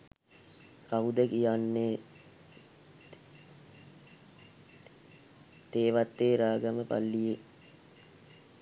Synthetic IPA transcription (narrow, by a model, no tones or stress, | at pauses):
kaud̪əkijanːe | t̪eːʋat̪ːeːɾaːɡaməpa̰lːije